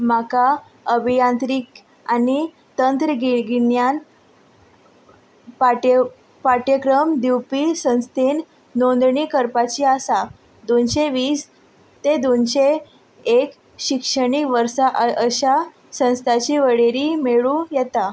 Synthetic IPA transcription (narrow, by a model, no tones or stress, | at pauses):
maka | əbʱijant̪ɾiːk | ani | t̪ənt̪ɾəɡiɡiɳjan | a | paʈjəkɾəmd̪iwpisə̃w̃st̪ʰenː | ond̪ɳikəɾpat͡ɕiasa | d̪onɕeʋiːs | t̪ed̪onɕe | ek | ɕikʂəɳ̃ikʋəɾsaʔəɕa | sə̃w̃st̪ʰat͡ɕiʋəɽeɾimeɭũjɛt̪a